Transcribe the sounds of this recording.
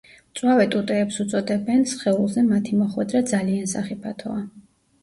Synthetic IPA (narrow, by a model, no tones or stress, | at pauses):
t̪sʼwavɛt̪ʼut̪ʼɛːpsut̪sʼɔd̪ɛbɛnsχɛulˠzɛmat̪ʰimɔχwɛ̰d̪ɾad̪zaliansaχipʰat̪ʰɔa